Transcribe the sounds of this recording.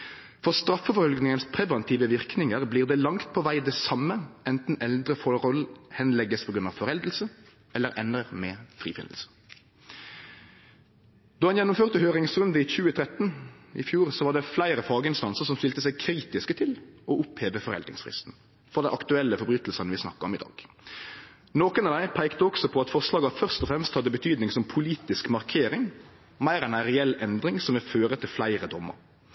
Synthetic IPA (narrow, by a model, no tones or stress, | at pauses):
fɔʁst̪ɾʁɑfːəfɔʁɔlɡnɪŋənspʰʁɛʋɛnt̪ʰiːʋəʋɪʁknɪŋəʁbliːʁd̪ɛlɑŋt̪̚pʰɔʋæɪd̪ɛsɑmːəɛnt̪n̩ɛld̪ʁəfɔʁɔlhɛnlɛɡːəspʰɔɡɾʉnɑʋfɔʁɛld̪əl̩sə | ɛlːəʁʔɛnəʁmɛːfʁḭːfɪ̰nəl̩sə̥ | d̪̥ɔːhɑnjɛnːʊmføːʁt̪əhøːʁɪŋsʁʉnd̪əiçʉːət̪ʰʁɛt̪n̩ɪ̰fjuːʁsɔʋɑːd̪ɛflæɪʁəfɑːɡəɪnst̪ɑnsəʁsɔmst̪ɪlt̪əsæɪkʰɾiːt̪ɪskət̪ʰɪlɔʊpheːʋəfɔʁɛ̰ld̪ɾɪ̰ŋsfʁɪ̰st̪n̩ | fɔʁd̪ɛɪʔɑkt̪ʉɛlːəfɔbyːt̪lsənəʋɪsnɑ̰kːəɾɔmɪd̪ɑ̰ːɡ̥ | noːkənɑd̪æɪpʰæɪkt̪əɔksɔpʰɔɑt̪fɔʁslɑːɡɑfœʁst̪ɔfʁɛmst̪hɑd̪ːəbət̪ʰyːd̪nɪŋsɔmpʰʊliːt̪ɪskmɑʁkʰeːɾɪŋ | mæɪɾɛnæʁɛɛlːɛnd̪ʁɪŋsɔmʋɪføːɾət̪ʰɪlflæɪʁəd̪ɔmːə̰ɾ